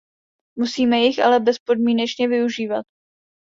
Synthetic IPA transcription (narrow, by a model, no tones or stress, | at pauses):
musiːmɛjɪxʔa̰lɛbɛspo̞dmiːnɛt͡ʃɲɛvɪuʒiːvat̪̚